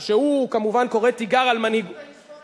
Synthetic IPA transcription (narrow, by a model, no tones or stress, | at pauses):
ʃehukamuvanko̞ʁetiɡaʁalmanhiɡ